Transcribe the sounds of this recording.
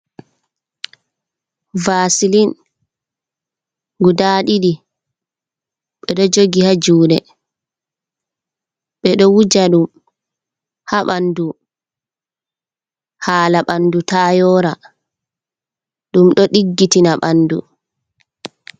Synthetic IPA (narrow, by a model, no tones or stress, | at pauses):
vaːsilin | ɡudaːɗiɗi | ɓɛɗɔd͡ʒoɡihad͡ʒuːɗɛ | ɓɛɗɔwud͡ʒaɗum | haɓandu | haːlaɓandutaːjɔːɾa | ɗumɗɔɗiɡːitinaɓanːdṵ